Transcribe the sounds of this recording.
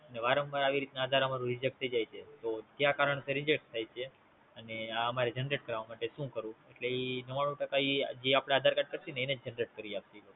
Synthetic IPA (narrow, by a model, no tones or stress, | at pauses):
əneʋaɾəmbaɾaʋiɾit̪naːd̪ʱaɾamaɾũɾid͡ʒək̚t̪ʰəid͡ʒajt͡ʃʰet̪ot̪jakaɾəɳseɾid͡ʒek̚st̪ʰajt͡ʃʰe | əneaəmaɾed͡ʒənɾeʈ̚kəɾaʋamaʈeʃũkəɾũeʈleinəʋaɽ̃ũʈəkaid͡ʒeapɽ̃aːd̪ʱaɾkaʈ̚kəɾt̪ineened͡ʒd͡ʒənɾeʈ̚kəɾiap̚t̪ilo